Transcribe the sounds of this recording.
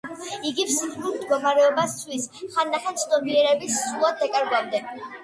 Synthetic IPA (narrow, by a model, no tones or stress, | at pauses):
iɡipsiχlulˠmd̪ɡɔmaɾɛɔbast̪sʰwisχanːaχɛnt̪sʰd̪ɔmiɛɾɛbisːulˠad̪ɛkʼɛɾɡamd̪ɛ